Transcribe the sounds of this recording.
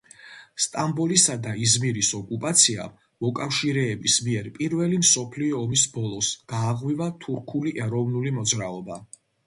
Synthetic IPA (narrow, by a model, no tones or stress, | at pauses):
st̪ʼambɔlisad̪aizmiɾisɔkʼupʼat̪sʰia̰ | mɔkʼafʃiɾɛːbismiɛɾpʼiɾvɛlimsɔpʰliɔːmisbɔlˠɔsɡ̥aːʁwivat̪ʰuɾkʰuliʔɛɾɔvnulimɔd̪zɾaɔba